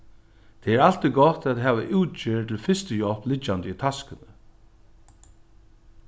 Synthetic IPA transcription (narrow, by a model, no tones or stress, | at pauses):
t̪ʰɛɛɾal̥t̪iɡɔt̪at̪ɦɛːʋaʔuwt͡ʃɪːɹt̪ʰɪlfɪst̪əjɔlplɪt͡ʃːant̪əit̪ʰaskɪnə